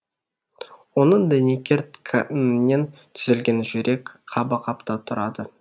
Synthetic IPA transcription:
wo̞nəɴd̪ænekʲʰeɾt̪kʰamne̞nt̪ʰʏ̥zɪlɡʲe̞nʒʏɾe̞kqʰɑbɑqʰɑpt̪ɑt̪ʰʊɾɑd̪ə

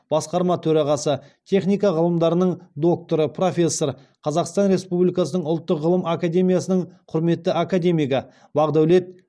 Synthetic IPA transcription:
b̥ɑsqɑɾmɑt̪ʰɵɾɑʁɑsət̪ʲʰe̞χnijkɑʁəlˠəmd̪ɑɾənəɴd̪o̞k̚t̪o̞ɾəpʰro̞fʲe̞sːo̞ɾ | qʰɑzɑqst̪ɑnɾe̞spublijkɑsənəɴʊlˠt̪ːəqʁəlˠəmakad̪ʲe̞mʲijasənəɴqʰʊɾme̞t̪ːɪʔakad̪ʲe̞mʲijɡɑ | bɑʁd̪æwle̞t̪̚

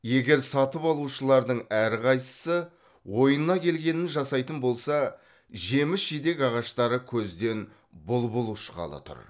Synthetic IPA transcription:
je̞ɡʲe̞ɾsɑt̪əpɑlˠuʃəlˠɑɾd̪əɴæɾqʰɑjsə̥sə | wo̞jənːɑkʲʰe̞lɡʲe̞nɪnʒɑsɑjt̪ənbo̞lˠsɑ | ʒe̞mɪsʒijd̪e̞kʲɑʁɑʃt̪ɑɾəkʲʰɵzd̪e̞n | bʊlˠbʊlˠuʃqɑ̰lˠə̰t̪ʰʊ̰ɾ

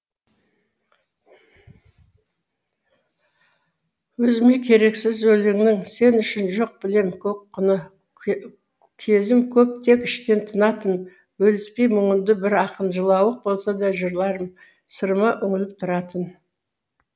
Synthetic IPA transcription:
wɵzɪme̞kʲʰe̞ɾe̞ksɪzɵlɪŋnɪŋse̞nʏʃɪnʒo̞q̚bɪle̞mkʲʰɵkːʊnə | kʲʰe̞zɪmkʲʰɵp̚t̪ʰe̞kɪʃt̪e̞nt̪ʰənɑt̪ən | wɵlɪspe̞jmʏɴənd̪ɪbɪɾɑqənʒəlˠɑwəq̚bo̞lˠsɑd̪ɑʒəɾlˠɑɾəm | səɾmɑʔʏŋɪlɪp̚t̪ʰʊɾɑt̪ən

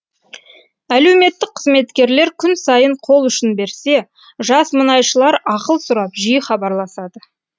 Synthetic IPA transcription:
æle̞wme̞t̪ːɪq̚qʰəzme̞t̪kʲe̞ɾle̞ɾkʲʰʏnsɑjəɴqʰo̞lˠʏʃɪnbe̞ɾse̞ | ʒɑsmənɑjʃəlˠɑɾɑqəlˠsʊɾɑpʒijəχɑbɑɾlˠɑsɑd̪ə

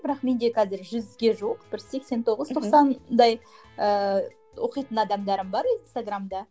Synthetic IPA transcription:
b̥ɪɾɑqme̞nd̪e̞qʰɑzɪɾʒʏzɡʲe̞ʒoqb̥ɪɾse̞kse̞nt̪ʰo̞ʁəz̥t̪ʰo̞qsɑnd̪ɑj | ə | wo̞qijt̪ənɑd̪ɑmd̪ɑɾəmbɑɾinst̪aɡramd̪ɑ

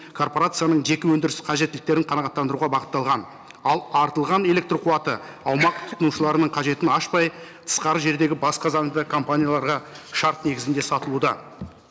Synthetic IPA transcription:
kʰo̞rpo̞ɾat̪sɨijanəɴʒe̞kʲɪwɵnd̪ɪɾɪsqʰɑʒe̞t̪ːɪlɪk̚t̪e̞ɾɪɴqʰɑnɑʁɑt̪ːɑnd̪əɾuʁɑbɑqə̥t̪ːɑlˠʁɑn | ɑlˠɑɾt̪əlˠʁɑne̞le̞k̚t̪roqʰuwɑt̪ə | ɑwmɑq̚t̪ʰʊ̥t̪ənuʃəlˠɑɾənəɴqʰɑʒe̞t̪ɪnɑʃpɑjt̪ʰə̥sqɑɾəʒe̞ɾd̪e̞ɡʲɪbɑsqɑzɑŋd̪əkʰo̞mpanʲijalˠɑɾʁɑ | ʃɑɾt̪ne̞ɡʲɪzɪnd̪e̞sɑt̪əlˠud̪ɑ

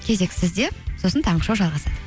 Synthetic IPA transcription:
kʲʰe̞ze̞ksɪzd̪e̞so̞sənt̪ʰɑɴəʃɑwʒɑlˠʁɑsɑd̪ə

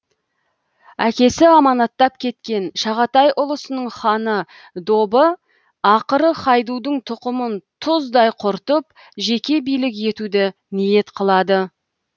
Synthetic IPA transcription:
ækʲe̞sɪɑmɑnɑt̪ːɑp̚kʲʰe̞t̪kʲe̞nʃɑʁɑt̪ɑjʔʊlˠəsənəɴχɑnə | d̪o̞bə | ɑqəɾəχɑjd̪ud̪əɴt̪ʰʊqəmənt̪ʰʊzd̪ɑjqʰʊɾt̪əp̚ | ʒe̞kʲe̞bijlɪk̬je̞t̪ud̪ɪ | nije̞t̪qʰəlˠɑd̪ə

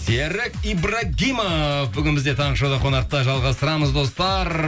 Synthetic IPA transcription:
seɾɪkibraɡʲijmabʏɡʲɪnɪmɪzd̪e̞t̪ʰɑɴəʃod̪ɑqʰo̞nɑq̚t̪ɑʒɑlˠʁɑst̪əɾɑməzd̪o̞st̪ɑɾ

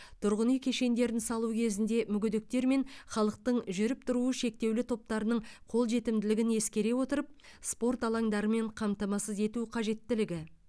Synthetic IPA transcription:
t̪ʰʊɾʁənijkʲʰe̞ʃe̞nd̪e̞ɾɪnsɑlˠukʲʰe̞zɪnd̪e̞mʏɡʲʏd̪ɪk̚t̪e̞ɾme̞ɴχɑlˠəq̚t̪əɴʒʏɾɪp̚t̪ʰʊɾuəʃe̞k̚t̪e̞wlɪt̪ʰo̞p̚t̪ɑɾənəɴqʰo̞lˠʒe̞t̪ɪmd̪ɪlɪɡʲɪne̞skʲe̞ɾe̞wo̞t̪əɾəp̚spo̞rt̪ɑlˠɑŋd̪ɑɾəme̞ɴqʰɑmt̪ɑmɑsəze̞t̪uqʰɑʒe̞t̪ːɪlɪɡʲɪ

